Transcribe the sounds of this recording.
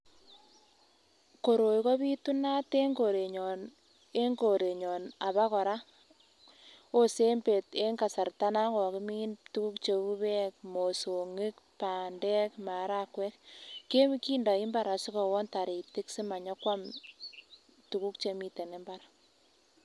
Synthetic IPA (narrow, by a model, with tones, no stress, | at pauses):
ko˨ɾo˨jkɔ˦βi˦tu˦na˦te˦ŋɡo˨ɾe˨ɲɔ˨n | e˦ŋɡo˨ɾe˨ɲɔ˨na˨βa˦kɔ˨ɾa˦ | o˦se˦mbe˨te˦ŋka˨sa˨rta˦na˦kɔ˨kɪ˦mi˦ntu˦ku˦kt͡ʃe˨u˦βɛ˦k̚mo˨so˨ŋɪ˦kpa˨ndɛ˦kma˨ɾa˦kwɛ˦kkːe˦m˦ki˦nda˨i˦mba˦ɾa˨si˦kɔ˨wɔ˦nta˨ɾe˨tɪ˦ksi˦ma˨ɲɔ˦kwa˦m | tu˨ku˦kt͡ʃe˨mi˦˨te˨ne˦mba˦ɾa˨